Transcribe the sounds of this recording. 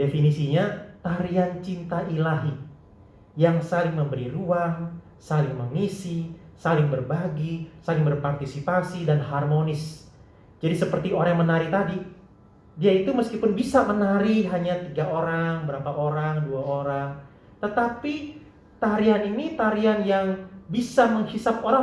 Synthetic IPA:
definisiɲat̪aɾiant͡ʃint̪aʔilaɦi | jaŋsalɪŋməmbəɾiruaŋ | salɪŋməmisisalɪŋbərbaɡisalɪŋbərpart̪isipasidanɦarmonɪs | d͡ʒadisəpərt̪ioɾaŋmənaɾit̪adi | diait̪uməskipʊnbisamənaɾiɦaɲat̪iɡaʔoɾaŋbəɾapaʔoɾaŋduaoɾaŋ | t̪ət̪api | t̪aɾianinit̪aɾianjaŋbisaməŋhisap̚oɾa

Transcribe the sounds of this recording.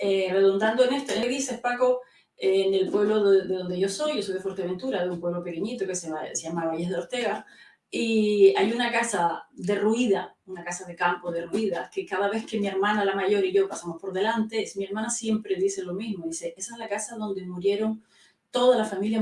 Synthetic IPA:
ere̞ðund̪and̪oene̞st̪oenðise̞hpako̞ | ene̞lpwe̞βlo̞ððeðo̞nd̪e̞ʝo̞so̞jʝo̞sojðe̞fwo̞ɾt̪eβe̞nt̪uɾaðeumpwe̞βlo̞pe̞ke̞ɲit̪o̞keseasejamaβajeɦðeo̞ɾt̪e̞ɣa | iajunakasad̪e̞ruiðaunakasaðe̞kampo̞ðeruiðake̞kaðaβ̞e̞ske̞mie̞ɾmãnalamaʝo̞ɾiʝo̞pasamospo̞ɾðe̞lant̪e̞mie̞ɾmãnasje̞mpɾe̞ðise̞lo̞mizmoðiseʔesaezlakasaðo̞nd̪e̞muɾje̞ɾo̞n | t̪o̞ðalafamilja

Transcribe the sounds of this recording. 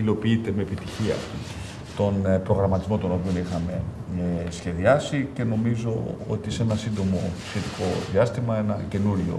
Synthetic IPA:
ilo̞piit̪e̞me̞ːpit̪içiɐ̰ | t̪o̞npɾo̞ɣɾɐmɐt̪izmo̞t̪o̞no̞pio̞nixɐme̞esçe̞ðiɐsice̞no̞mizo̞o̰t̪iseenɐsind̪o̞mo̞sçe̞t̪iko̞ðiɐst̪imɐe̞nɐce̞nuɾʝo̞̰

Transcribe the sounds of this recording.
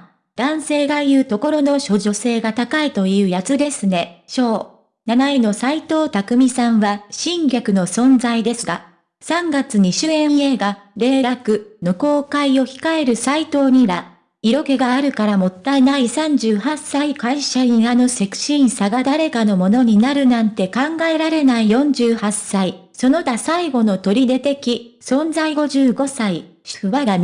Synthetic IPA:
d̪̥ãɰ̃se̞ːɡaijɯ̟ːt̪o̞ko̞ɾo̞no̞ɕo̞ʑo̞se̞ːɡat̪akait̪o̞jɯ̟ːjat͡sɨd̪e̞sɨne̞ɕo̞ː | nanaino̞sait̪o̞ːt̪akɯ̟mʲisãɰ̃βaɕĩŋɡʲakɯ̟no̞sõ̞nd͡zaid̪e̞sɨɡa | sãŋɡat͡sɨɲ̟iɕɨːẽ̞ɰ̃ie̞ɡaɾe̞ːɾakɯ̟noko̞ːkaio̞çi̥kae̞ɾɯ̟sait̪o̞ːɲ̟iɾa | iɾo̞ke̞ɡaːɾɯ̟kaɾamo̞t̪ːaenaisãɲ̟d͡ʑɨːhasːaikaiɕaɲiano̞se̞ki̥ɕĩɰ̃saɡad̪aɾe̞kano̞mo̞no̞ɲ̟inaɾɯ̟nãnt̪e̞kãŋɡae̞ɾaɾe̞naijõ̞ɲ̟d͡ʑɨːhasːai | so̞no̞t̪asaiɡo̞no̞t̪o̞ɾʲid̪e̞t̪e̞kʲisõ̞nzaiɡo̞ʑɨːɡo̞saiɕɯβaɡa

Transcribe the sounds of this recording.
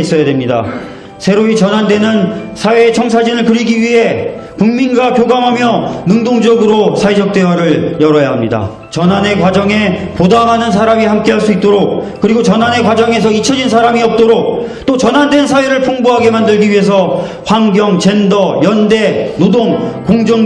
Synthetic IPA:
is͈ʌjadwe̞mɲida̰ | sʰe̞ɾoit͡ɕʌnɦande̞nɯnsʰawe̞ːt͡ɕʰʌŋs̬ʰad͡ʑinɯɭkɯɾiɡiɥiɦe̞kuŋminɡwakjoɡamɦamjʌnɯŋdoŋd͡ʑʌɡɯɾosʰaid͡ʑʌk̚t͈e̞wʌɾɯɭjʌɾʌjaɦamɲida̰ | t͡ɕʌnane̞kwad͡ʑʌŋe̞podamɦanɯns̬ʰaɾamihamk͈e̞ɦaɭs͈uit̚t͈oɾok̚k͈ɯɾiɡot͡ɕʌnɦane̞kwad͡ʑʌŋe̞s̬ʰʌit͡ɕʰʌd͡ʑinsʰaɾamiʌp̚t͈oɾok̚ | t͈ot͡ɕʌnɦande̞nsʰaweɾɯɭpʰuŋboɦaɡe̞mandɯɭɡiɥiɦe̞s̬ʰʌ | ɸwaŋɡjʌŋt͡ɕe̞ndʌjʌnde̞nodoŋkoŋd͡ʑoŋ

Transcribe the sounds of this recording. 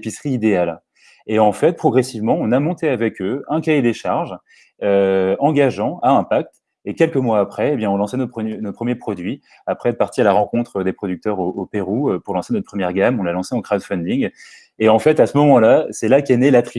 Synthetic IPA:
pisχiːd̪eal | eɑ̃fɛt̪̚pχɔɡʁesivmɑ̃ɔ̃namɔ̃t̪eavɛkʰøɛ̃kʲajed̪eʃaʁʒ | øɑ̃ɡaʒɑ̃aɛ̃pak̚t̪ | ekʲɛlkəmwaːpχɛebjɛ̃ɔ̃lɑ̃sɛnopχnot̪̚pχəmjepχɔd̪ɥi | apχɛɛt̪̚paʁt̪ialaʁɑ̃kɔ̃t̪χəd̪epχɔd̪yk̚t̪œʁoopeʁuøpuʁlɑ̃senɔt̪̚pχəmjɛʁɡamɔ̃lalɑ̃seɑ̃kχad̪fɛ̃nd̪iŋ | eɑ̃fɛt̪asəmɔmɑ̃lasɛlakʲenɛlat̪χi

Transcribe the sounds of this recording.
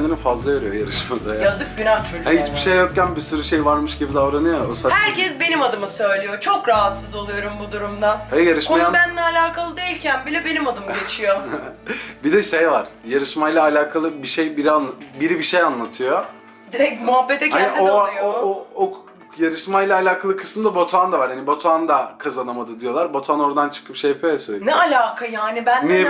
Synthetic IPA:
nd̪inifazlˠaveɾyjojaɾɯʃmad̪ajjazɯk̚ɟynaht͡ʃʰo̞d͡ʒæit͡ʃbiʃejːokcanbisuɾɯʃejvaɾmɯʃɟibid̪avɾanɯjoosahæɾcʰɛsbe̞nimad̪ɯmɯsø̞jlʲijot͡ʃʰo̞kɾaɦat̪sɯzo̞lˠujoɾumbud̪uɾumd̪ahɛjaɾɯʃoajabænlʲɛalʲaːkʰalˠɯd̪eilʲcʰænbilʲɛbe̞nimad̪ɯmɟet͡ʃʰijo | bid̪ɛʃejvaɾ̥jaɾɯʃmajlʲˠaːlʲaːkʰalˠɯbiʃejbiɾianbiɾibiʃejanlˠat̪ʰɯjo | d̪iɾɛcmuɦabːet̪ʰɛchæaniʔiojoo | jaɾɯʃmajlʲˠaːlʲaːkʰalˠɯkʰɯ̥sɯmd̪abot̪ʰand̪avaɾhanibot̪ʰand̪akʰazanamad̪ɯd̪ijo̞lˠaɾbot̪ʰano̞ɾd̪ant͡ʃʰɯ̥kʰɯpʃejapʰyijɛsøjlʲnɛalʲaːkʰajaːnibænmie

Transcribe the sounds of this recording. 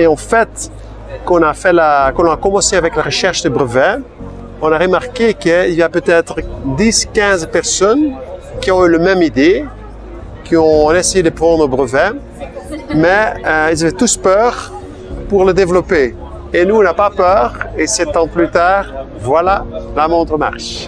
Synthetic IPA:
eɑ̃fɛt̪ | kɔ̃nafɛlakɔ̃lɔ̃akɔmɑ̃seavɛklaʁəʃɛʁʃd̪əbʁəvɛ | ɔ̃naʁəmaʁkekəiljapøt̪ɛt̪χd̪iskʲɛ̃zpɛʁsɔnkʲiɔ̃yləmɛmid̪e | kʲiɔ̃ɛsejed̪əpχɑ̃ːd̪ʁobʁəvɛ | mɛilzavɛt̪uspœːʁ | puʁləd̪evlɔpe | enuɔ̃napapœːʁesɛt̪ɑ̃plyt̪aːʁ | vwalalamɔ̃d̪ʁəma̰ʁʃ

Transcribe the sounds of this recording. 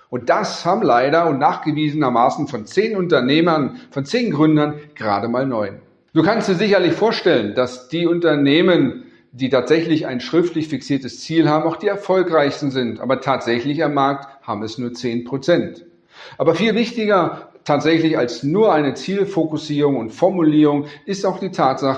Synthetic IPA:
ʔʊnt̚d̥ashaːbm̩laɪɾɐʊntnaːχɡ̥əviːzənɐmaːsn̩fɔnt͡seːnʊntɐneːmɐnfɔnt͡seːnɡʁʏndɐnɡ̥əʁaːdəmaːlnɔʏn | d̥uːkʰanstd̥iːɐzɪçɐlɪçfoːɐʃtɛlənd̥asd̥iːʊntɐneːmən | diːtʰaːtz̥ɛçlɪça̰ɪnʃʁ̥ɪftlɪçfɪksiːɐtəst͡siːlhaːbm̩aʊxd̥iːɛɐfɔlkʁaɪçstn̩zɪntʔa̰ːbɐtʰaːtz̥ɛçlɪçamːaɐk̚thaːbm̩ɛsnuːɐt͡seːnpʁ̥ot͡sɛnt | ʔaːbɐfiːlvɪçtɪɡɐtʰaːtz̥ɛçlɪçalsnuːɐʔaɪnət͡siːlfokʊsiːʁʊŋʊntfɔɐmuliːʁʊŋɪstaʊxd̥iːtʰaːtz̥aχə

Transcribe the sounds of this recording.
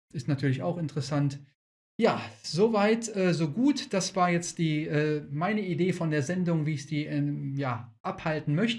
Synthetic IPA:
ʔɪstnatʰyːɐlɪça̰ʊxɪntəʁəsant | jaːzovaɪtʔɛːzoːɡuːtd̥asv̥aːɐjɛt͡std̥iːʔɛːmaɪnəideːfɔndeːɐzɛndʊŋviːɪçz̥iːjaː | ʔaphaltn̩mœçtə

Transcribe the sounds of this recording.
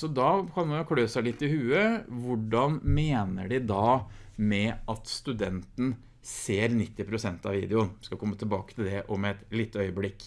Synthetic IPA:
sɔd̪ɑːkʰɑnmɑnʊkʰløːsæɪlɪt̪ːɪhʉːəʋʊɖɑnmeːnə̰ɖɪd̪ɑmɛʔɑt̪st̪ʉd̪ɛnt̪n̩ | seːɾnɪt̪ːɪpʰɾʊsɛnt̪ɑʋḭːd̪ɪʊnʋskɑkʰɔmːət̪ʰɪlbɑːkə̥t̪ʰɪld̪ɛʔɔmɛɛt̪liːt̪ːəœʏəblɪkː

